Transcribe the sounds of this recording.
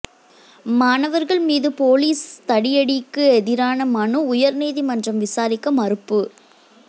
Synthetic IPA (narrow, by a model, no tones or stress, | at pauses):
maːnɐʋɐɾɣɐɭmiːðɯpoːliːst̪ɐɽɪjɐɽɪkːɯɛðɪɾaːnɐmɐnɯʊjɐɾnɛːðimɐndrɐmʋɪsaːɾɪkːɐmɐɾɯpːɯ